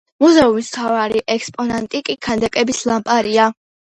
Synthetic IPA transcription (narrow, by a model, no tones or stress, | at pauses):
muzɛumismt̪ʰavaɾiʔɛkspʼɔnant̪ʼikʼikʰand̪akʼɛbislˠampʼaɾia